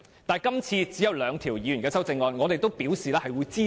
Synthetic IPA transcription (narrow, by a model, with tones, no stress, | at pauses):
t̪aː˨˩jkɐ˥mt͡sʰiː˧t͡siː˨˥jɐ˧wlœː˨˧ŋt̪ʰiː˨˩wjiː˨˧jy˨˩nkɛː˧sɐ˥wt͡sɪ˧ŋːɔː˧nŋɔ˨˧t̪e˨jt̪o˥wpiː˨˥wsiː˨lɛː˥hɐ˨jwuː˨˧jt͡siː˥